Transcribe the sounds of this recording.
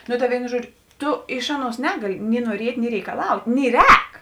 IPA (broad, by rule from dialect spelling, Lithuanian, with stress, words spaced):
nʊ tɐ ˈʋʲeːɪnʊ ˈʒuɔd͡ʒʲʊ ˈtʊ ˈɪʃ ˈɑːˌnuɔs ˈnʲæːɡɐlʲɪ nʲɪ nuɔˈrʲiɛtʲ nʲɪ rʲɛɪkɐˈlˠɐʊtʲ nʲɪ ˈrʲɛːk